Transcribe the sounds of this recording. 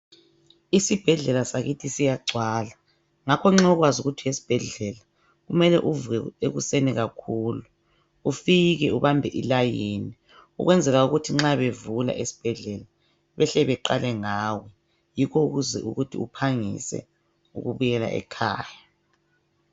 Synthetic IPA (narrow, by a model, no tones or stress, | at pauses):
isib̥ʱɛɮɛlasaɣitʰisijaɡ͡ǀʱwaːla | ŋakʰɔŋ͡ǁɛɔɣwazuɣutʰijesi̥b̥ʱɛɮɛla | ɣumɛlɛʔuvuɛeɣuseniɣakʰuːlu | ufiɣɛuβambʱɛʔḭlajiːni | ṵɣwɛnd͡zʱɛlauɣutʰiŋ͡ǁaβevula̰ʔesi̥b̥ʱɛɮɛla | βɛɬɛβɛǃa̰lɛŋaːwɛ | jikʰoɣuzɛʔṵɣutʰiupʰaŋḭsɛ̰ | ṵɣuβujɛla̰ʔɛ̰kʰa̰ːja